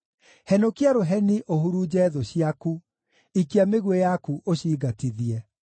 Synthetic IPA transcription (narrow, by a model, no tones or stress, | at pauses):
hɛnokiaɾoɦɛniʔoɦuɾud͡ʑɛðɔɕiaku | ikiameɣwejakuʔoɕiːɡatiðiɛ